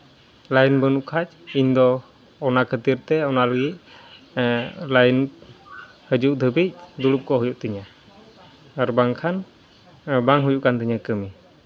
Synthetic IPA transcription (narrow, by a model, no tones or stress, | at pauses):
lajinbənuʔkʰat͡ʃ̚ind̪ɔ | ɔnakʰət̪iɾt̪ɛɔnaləɡic̚ | lajin | həd͡ʒuʔd̪əbic̚d̪ulup̚kɔɦujuʔt̪əɲa | ɾbaŋkʰan | baŋɦujuʔkant̪əɲakəmi